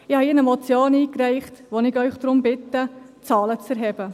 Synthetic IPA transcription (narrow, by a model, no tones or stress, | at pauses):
ɪhɑinəmɔt͡sjoːniːkræɪχtʋonɪɡœʏχd̥ɾʊmbɪtə | t͡sɑːlət͡sɛɾɦɛb̥ə